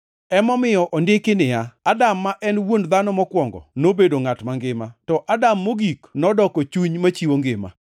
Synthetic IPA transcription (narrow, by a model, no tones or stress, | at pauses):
ɛmɔmɪjɔʔɔndɪkɪnɪjaadamːaʔɛnwondd̪anɔmɔkwɔŋɡɔ̰nobedoŋatmaŋɡɪmatɔʔadamːoɡiknɔdɔkɔt͡ʃuɲmat͡ʃiwoŋɡɪma̰